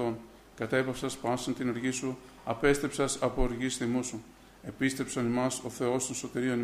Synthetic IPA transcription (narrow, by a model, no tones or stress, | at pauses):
on | kɐt̪ɐepɐfsɐspɐnsɐnt̪inoɾʝisu | ɐpe̞st̪ɾe̞psɐsɐpoɾʝisθimusu | e̞pist̪ɾe̞psɐnimɐso̞θe̞o̞st̪o̞nso̞t̪iɾio̞ni